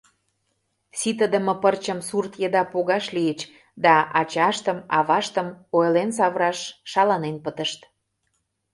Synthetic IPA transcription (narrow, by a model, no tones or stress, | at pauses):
sit̪əd̪ə̆mə̆pərt͡ɕə̆msurt̪jəd̪ɑpoɣɑʃliət͡ɕ | d̪ɑʔɑt͡ɕɑʃt̪əmɑβɑʃt̪əmojlens̬ɑβɾɑʃːɑlɑnenpət̪ə̆ʃt̪